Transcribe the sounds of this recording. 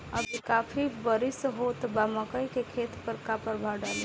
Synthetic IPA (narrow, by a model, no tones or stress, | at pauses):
əbʱikaːpʰibəɾisɦot̪baməkəjkekʰeːt̪pəɾkapəɾbʱaɖale